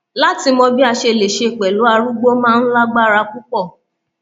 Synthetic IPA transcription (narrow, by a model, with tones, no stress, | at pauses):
la˦ti˧mɔ˧bi˦a˧ʃe˧˨le˨ʃe˧˨k͡pɛ˨lu˨˦a˧ɾu˦ɡ͡bo˦mãː˦˧n̩˦la˦ɡ͡ba˦˨ɾa˧ku˦kɔ˦˨